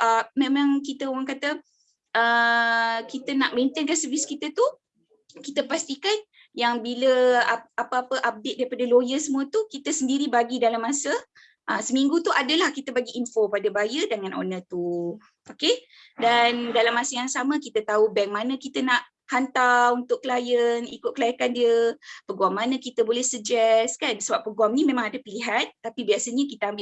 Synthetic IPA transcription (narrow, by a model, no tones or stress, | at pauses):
ʔəmẽmãŋkit̪əoŋaŋkat̪ə | ə | kit̪ənaʔment̪ənkansəviskit̪ət̪u | kit̪əpast̪ikan | jaŋbiləaapəapəʔap̚deɪt̪̚daɾipadalojəsəmũət̪ukit̪əsəndiɾibaɡidalamːasə | ʔəsəmiŋɡut̪uʔadəlahkit̪əbaɡiʔːnfopadəbajədəŋãnʔo̰nət̪u | oke | dandalamːasəjaŋsamə̃kit̪ət̪aubɛŋmanə̃kit̪ənaʔ | hant̪aunt̪ʊʔkəlajənḭkʊt̪̚kəlajakandiəpəɡuamːanə̃kit̪əbolɛhsəd͡ʒɛskansəbap̚ːəɡuamnimẽmãŋadəpiliɦant̪apibiasəɲəkit̪əɦambɪ